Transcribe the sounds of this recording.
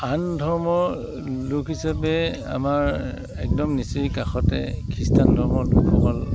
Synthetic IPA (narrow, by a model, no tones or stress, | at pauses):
andʱɔɹmɔ | lukɦisapɛ | a̰maɹ | ɛk̚dɔmnisikaxɔtɛ̰kʰistandʱɔɹmɔlukʰɔkɔl